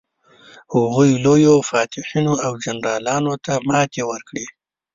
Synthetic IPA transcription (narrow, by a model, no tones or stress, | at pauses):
hʊɣujlojofɑt̪ɪħinoawd͡ʒanɾɑlɑnot̪amɑt̪ewəɾkɽi